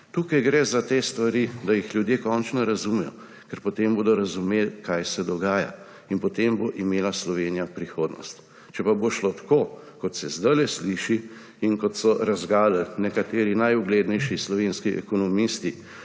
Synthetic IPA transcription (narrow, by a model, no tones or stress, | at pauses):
t̪uːkajɡɾɛzat̪est̪ʋaɾid̪ajixljud̪jeːkɔnt͡ʃnɔɾɐzumɛjɔ̰ | kɛɾpɔt̪emboːd̪ɔɾɐzumeːlkajsɛd̪ɔɡaːja̰ | inpɔt̪emboʔimeːlaslɔʋeːnijapɾixoːd̪nɔ̰st̪ | t͡ʃɛpaboʃlot̪ḁko | kɔt̪sɛzd̪əlɛsliʃi | inkɔt̪sɔɾazɡaːləlnɛkat̪eːɾinajuɡleːd̪nɛjʃislɔʋenskiʔɛ̰kɔnɔmist̪i